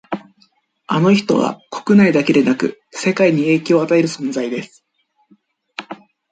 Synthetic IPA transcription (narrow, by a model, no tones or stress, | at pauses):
ano̞çi̥t̪o̞̰βa̰kʰo̞̥kɯ̟naid̪ake̞d̪e̞nakɯ̟̰ | se̞kaiɲ̟ie̞ːkʲooːat̪ae̞ɾɯ̟sõ̞nzaid̪e̞sɨ̥